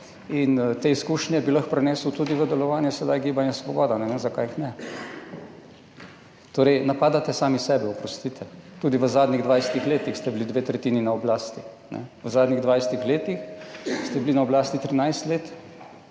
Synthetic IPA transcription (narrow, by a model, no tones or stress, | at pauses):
int̪eːiskuːʃnjɛbilaxpɾɛnɛːswt̪ud̪iʋəd̪ɛlɔʋaːnjɛsɛd̪ajɡiːbanjɛsʋɔbɔːd̪anɛʋenzakaːjixnɛ | t̪oːɾɛjnapaːd̪at̪ɛsaːmisɛːbɛɔpɾɔst̪it̪ʰɛt̪ud̪iʋəzaːd̪niɣd̪ʋajst̪ixleːt̪ixst̪ɛblid̪ʋeːt̪ɾɛt̪iːninaɔblaːst̪i | nʔɛ̰ʋəzaːd̪niɣd̪ʋajst̪ixleːt̪ixst̪ɛblinaɔblaːst̪it̪ɾinajst̪leːt̪